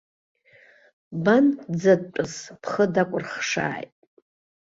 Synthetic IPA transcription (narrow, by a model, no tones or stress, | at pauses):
band͡zad̚t͡ʃʷʼʊspʰχədakʷʼʊrχʂa̰ːjtʼ